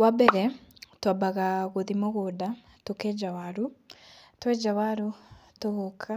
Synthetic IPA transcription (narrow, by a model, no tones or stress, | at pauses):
wabɛɾɛtwabaɣaɣoðimoɣoda | tokɛd͡ʒawaɾu | twɛd͡ʒawaɾutoɣokʰa